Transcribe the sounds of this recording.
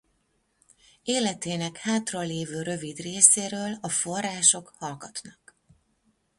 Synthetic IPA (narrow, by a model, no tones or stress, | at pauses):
eːlɛt̪eːnɛkhaːt̪rɒleːvøːɾø̞vid̪reːseːɾøːlɒfo̞rːaːʃo̞khɒlɡɒt̪nɒk